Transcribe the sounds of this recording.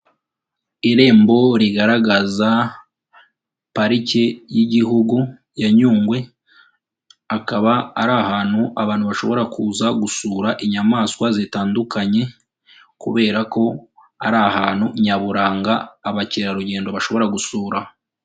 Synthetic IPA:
iɾe̞ːmbo̞ɾiɡaɾaɡaza | paɾicejiɟiɦuɡu | jaɲuːŋɡwe̞ | akaβa̰ːɾahaːn̥huʔaβaːnhuβaʃo̞̰βo̞ɾakuːzaɡusuːɾaʔiɲamaːskwazitaːndukaɲe̞ | kuβe̞ːɾako̞ | aɾahaːn̥huɲaβuɾaːŋɡaːβaciɾaɾuɟe̞ːndo̞βaʃo̞βo̞ɾaɡusuːɾa

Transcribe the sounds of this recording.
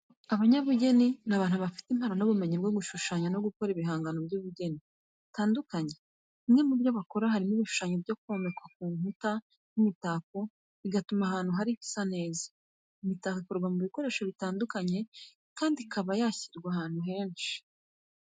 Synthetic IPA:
aβaɲaβuɟe̞ninaβaːnuβafi̥timhaɾanoβume̞ɲebɡoɡuʃuʃaɲano̞ɡuko̞ɾiβiɦaːŋɡanobjuβuɟe̞ni | taːndukaɲe̞ | imŋe̞mubjoβako̞ɾahaɾimiβiʃu̥ʃaɲobjo̞kuomekwak̚uːmuta | nimitako | iɡatumahaːn̥huɦaɾifi̥sane̞ːzḁ | imitakikoɾɡwamuβiko̞ɾe̞ːʃo̞βitaːndukaɲe̞ | kaːndikʰaβajaçiɾɡwahaːn̥huɦe̞ːnʃi̥

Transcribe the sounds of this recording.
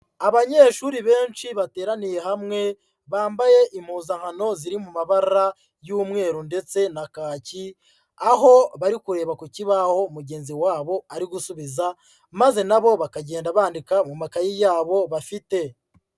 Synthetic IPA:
aβaɲe̞ːʃuɾiβe̞ːnʃiβate̞ːɾanije̞hamŋe̞ | βaːmbaje̞ʔim̥huːzaŋ̥hano̞ziɾimumaβaɾɾa | juːmŋe̞ːɾunde̞t͡se̞nakaːci | aɦo̞βaɾikuɾe̞ːβakuciβaho̞muɟe̞ːnziwaːβo̞aɾiɡusuβiza | maze̞naβo̞βakaɟe̞ːndaβaːndikamumakajijaːβo̞βafite̞

